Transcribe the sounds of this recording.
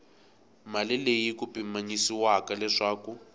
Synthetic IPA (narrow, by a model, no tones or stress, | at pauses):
malɪlejikupʼimaɲisiwakalɛʂaːku